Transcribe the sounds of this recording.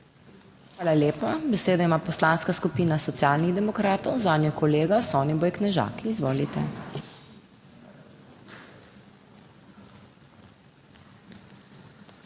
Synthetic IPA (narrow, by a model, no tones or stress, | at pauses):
xxʋaːlaljeːpabɛseːd̪ɔimaːpɔslaːnskaskupiːnasɔt̪sijaːlniɣd̪ɛmɔkɾaːt̪ɔwzaːd̪nʲjɔkɔleːɡasɔɔːnibɔjknɛʒa̰ːkiːzʋoːlit̪ɛ̰